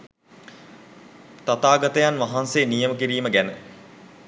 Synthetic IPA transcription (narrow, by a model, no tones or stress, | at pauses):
t̪at̪aːɡat̪əjanʋaɦanseːnijəməkiɾiːməɡænə